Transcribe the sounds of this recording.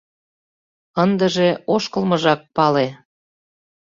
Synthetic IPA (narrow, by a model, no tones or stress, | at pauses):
ənd̪əʒeoʃkəlmɤʒɑk̚pɑle